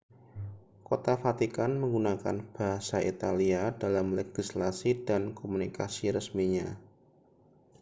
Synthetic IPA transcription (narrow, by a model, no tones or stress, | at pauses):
kot̪afat̪ikanməŋɡunaka̰nb̥aɦasaʔit̪aliadalamleɡ̥islasidankomunikasiɾəsmiɲa